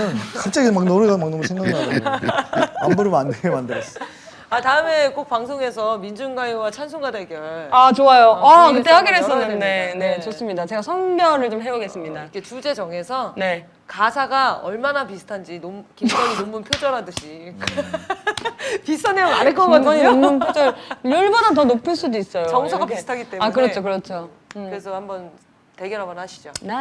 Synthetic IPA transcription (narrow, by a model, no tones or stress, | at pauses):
ɯnkɯnt͡ɕ͈aɡimak̚nʌmɯɡamaknʌmusʰeŋɡanaɾaɡo | ambuɾɯmandeɡemandɯɾʌs͈ | ataɯme̞k͈ok̚paŋsʰoŋe̞s̬ʰʌmind͡ʑunɡajiwat͡ɕʰans̬ʰuŋɡadeɡjʌɭat͡ɕoajoakɯt̪͈eɦaɡiɾesʰʌnɯnːe̞ne̞t͡ɕos͈ɯmɲidat͡ɕe̞ɡasʰʌnmjʌɾɯɭt͡ɕomɦeuɡe̞s͈ɯmɲidaikʰet͡ɕud͡ʑe̞d͡ʑʌŋe̞sʰʌne̞ | kasʰaɡaʌ̰ɭmanapisʰɯ̥tʰand͡ʑinomkiaɲinomːunpʰjod͡ʑʌɾadɯɕʰi | pistʰanemanek͈ʌkaʌɲinmːunpʰjod͡ʑʌɭjʌɭbʌnat̬ʌnopʰɯɭs͈udois͈ʌjoʌŋsʰaɡapisɯ̥tʰaɡit͈eakɯɾʌt͡ɕʰokɯɾʌt͡ɕʰo | ɯɾesʰʌhambʌn | te̞ɡjʌɾɦambʌnhaɕʰi̥d͡ʑona